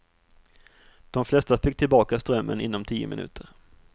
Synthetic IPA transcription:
d̪̥ɔmflɛst̪afɪk̚t̪ʰɪlbɑːkast̪ɾœmːə̰nɪnːɔmt̪ʰiːʊ̰mɪnʉ̟̰ːt̪ʰəɾ

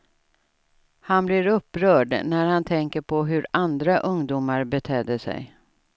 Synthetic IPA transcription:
hanblɪɾɵpːɾœːɖnæɾhant̪ʰɛŋkəɾpʰɔɦɵɾand̪ɾaʔɵŋd̪uːmaɾbɛt̪ʰɛːd̪əsɛ̰j

